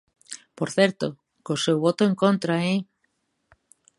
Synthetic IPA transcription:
poɾθɛɾt̪o | kosewβot̪oeŋkont̪ɾae

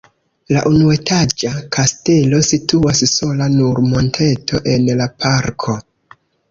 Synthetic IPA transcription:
laʔunue̞tad͡ʒakʰaste̞lo̞situasso̞lanuɾmo̞ntʰe̞tʰo̞ʔe̞nlapʰaɾkʰo̞

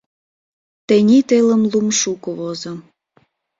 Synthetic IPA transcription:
t̪enʲit̪eləmlumʃukoβozəm

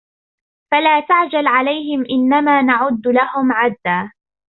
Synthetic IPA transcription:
falaːt̪aʕd͡ʒalʕalajhɪmʔɪnːamaːnaʕʊd̪ːlahʊmʕad̪ːaː

